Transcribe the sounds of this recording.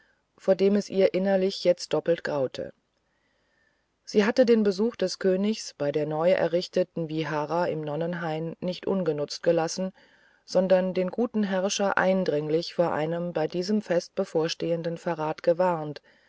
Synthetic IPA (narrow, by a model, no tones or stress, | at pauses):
foːɐdeːmɛsʔiːɐʔɪnɐlɪçjɛt͡st̚d̥ɔpl̩tɡ̥ʁaʊtʰə̰ | z̥iːɦatədeːnbəzuːxd̥ɛskʰøːnɪçsb̥aɪdeːɐnɔʏʔɛ̰ɐʁɪçtətn̩viɦaːʁaɪmnɔnənɦaɪnnɪçtʔʊ̰nɡənʊt͡st̚ɡ̥əlasn̩ | z̥ɔndɐndeːnɡuːtn̩ɦɛɐʃɐʔa̰ɪndʁɪŋlɪçfoːɐʔa̰ɪnəmbaɪdiːzəmfɛst̚b̥əfoːɐʃteːəndən̩faʁaːtɡ̥əvaɐnt